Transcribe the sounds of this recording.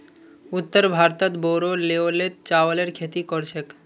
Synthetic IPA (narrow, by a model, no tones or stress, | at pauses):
ut̪ːəɾbʱaɾt̪at̪boɾoleolet̪t͡ɕawaleɾkʰet̪ikɔɾt͡ɕʰek